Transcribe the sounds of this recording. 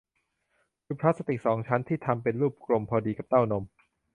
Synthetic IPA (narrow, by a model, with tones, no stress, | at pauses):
kʰɯː˧pʰɾa˦˥t̪̚sa˧t̪i˨˩k̚sɔː˩˦ŋt͡ɕʰa˦˥nt̪ʰiː˥˩t̪ʰa˧mpe˧nɾuː˥˩p̚klo˧mpʰɔː˧diː˧ka˨˩p̚t̪a˥˩wno˧m